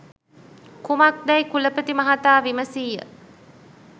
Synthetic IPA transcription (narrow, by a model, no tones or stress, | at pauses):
kumɐk̚d̪ɐjkuləpət̪imɐɦat̪aːʋiməsiːjə̰